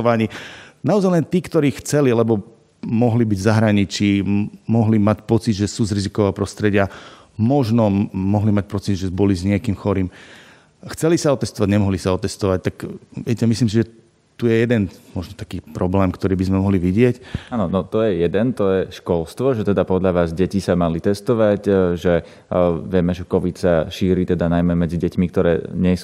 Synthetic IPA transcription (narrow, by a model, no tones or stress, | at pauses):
ɔʋaɲiːnaɔzajlɛnt̪iːkt̪ɔɾiːxt͡sɛlialɛbɔ | mɔɦlibiɟzaɦɾaɲit͡ʃiːmɔɦlimacpɔt͡sid̪ʒɛsuːzɾizikɔʋɛːpɾɔst̪ɾɛɟɪa | mɔʒnɔmɔɦlimac̚pɔt͡sid̪ʒɛbɔlizɲɪɛkiːmxɔɾiːm | xt͡sɛlisaɔt̪ɛst̪ɔʋaɟɲɛmɔɦlisaɔt̪ɛst̪ɔʋac̚t̪akʋɪɛcɛmisliːms̬iʒɛ | t̪ujɛjɛd̪ɛnmɔʒnɔt̪ḁkiːpɾɔblɛːmkt̪ɔɾiːbizmɛmɔɦliʋiɟɪɛcaːnɔnɔt̪ɔjɛjɛd̪ɛnt̪ɔjɛʃkɔlst̪ʋɔʒɛt̪ɛd̪apɔd̪ʎaʋaːzɟɛcisamalit̪ɛst̪ɔʋaɟʒɛ | ʋɪɛmɛʒɛkɔʋit̪saʃiːɾiːt̪ɛd̪anajmɛmɛd͡ziɟɛcmik̚t̪ɔɾɛ̰ːɲɛs